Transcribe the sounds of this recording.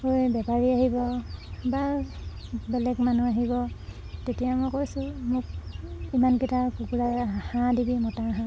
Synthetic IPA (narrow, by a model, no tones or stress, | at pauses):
hojbɛpaɹiaɦibɔba | bɛlɛɡmanuaɦibɔ | tetijamɔjkojsʊ̃mʊk̚imankitʰakukulahãdibimɔtaɦã